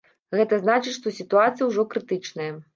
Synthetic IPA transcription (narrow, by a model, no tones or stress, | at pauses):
ɣɛt̪ɐznat͡ʂɨt͡ɕʲʂt̪ɔsʲit̪uat̪sɨjɐwʐɔkɾɨt̪ɨt͡ʂnɐjɐ